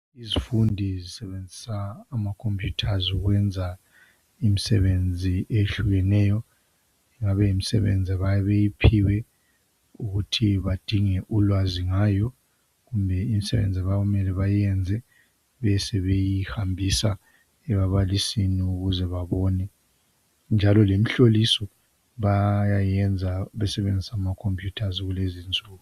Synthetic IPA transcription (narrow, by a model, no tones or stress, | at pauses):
izifundʱizisɛβend͡zʱisaːmakʰompʰjutʰazuɣwɛnd͡zʱa | imisɛ̰βend͡zʱiʔeɬuɣɛnɛːjɔ | iŋaβɛimisɛ̰βḛnd͡zʱiβajβejipʰiwɛ | uɣutʰiβad̥ʱiŋɛʔulwaziŋaːjɔ | ɣumbʱɛimisɛβḛnd͡zʱɛβaɣumɛlɛβajɛnd͡zʱɛ | βɛsɛβejiihambʱisa | ɛβaβalisiniuɣuzɛβaβɔnɛ | nd͡ʒʱalɔlemiɬolisɔ | βajajɛnd͡zʱaβɛsɛβend͡zʱisamakʰompʰʼjutʰaziɣulezind͡zʼʱuːɣu